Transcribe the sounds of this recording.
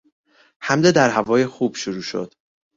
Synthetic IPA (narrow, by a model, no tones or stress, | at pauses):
hæmd̪ed̪æɾhævɒːjexuːb̥ʃoɾuːʃo̰d̪̥